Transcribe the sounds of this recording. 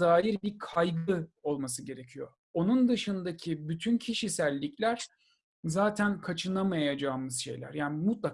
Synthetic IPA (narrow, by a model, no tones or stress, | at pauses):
aːjiɾbikʰajɡɯo̞lˠmasɯɟe̞ɾe̞cʰijo̰ | o̞nund̪ɯʃɯnd̪acʰibyt̪ʰyncʰiʃisælʲːicʰlʲæɾ̥ | zaːt̪ʰænkʰat͡ʃʰɯnamajad͡ʒaːmɯzʃe̞̰jlʲæ̰ɾjaːnimut̪lˠa